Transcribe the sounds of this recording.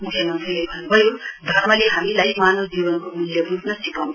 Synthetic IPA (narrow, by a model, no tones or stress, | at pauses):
tʰenuntʰʌlebʱʌnːubʱʌjod̪ʱʌrmʌleɦamilajmanod͡ʒiwʌnkomiljʌbutnʌsipʌm